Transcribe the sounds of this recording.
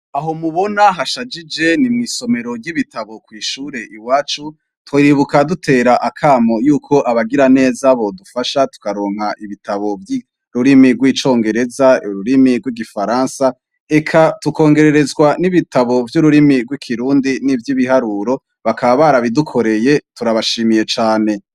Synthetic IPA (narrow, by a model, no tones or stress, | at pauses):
aɦo̞muβo̞naɦaʃad͡ʒid͡ʒe̞nimŋiːso̞me̞ɾo̞ɾɟiβitʰaβo̞kwiːʃuːɾe̞ʔiwaːt͡ʃu | twoɾiβukadutʰe̞ːɾaʔakʰaːmo̞juːkʰo̞ʔaβaɡiɾane̞ːzaβo̞dufaʃatu̥kaɾo̞ːŋ̥haʔiβitaβo̞vji | ɾuɾimiɡwiːt͡ʃo̞ːŋɡe̞ɾe̞zauɾuɾimiɡwiɡifaɾaːnsa | e̞kʰatuko̞ːŋɡe̞ɾe̞ɾe̞zɡwaniβitaβo̞vjuɾuɾimiɡwikʰiɾuːndinivjiβiɦaɾuːɾo̞ | βakaβaβaɾaβidukʰo̞ɾe̞je̞tuɾaβaʃiːmije̞t͡ʃaːne̞